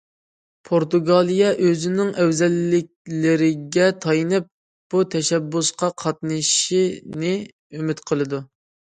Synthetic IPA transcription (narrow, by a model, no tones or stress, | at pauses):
pʰoɾt̪uɡɑlˠijɑʔøzɪnɪŋʔɛwzɛlːɪk̚ʲlɪɾɪɡʲɛt̪ʰɑjinɨp̚ | b̥ut̪ʰɛʃɛbːusqɑqʰɑt̪nɨʃinɪ | ymɪt̪qʰəlˠɨd̪u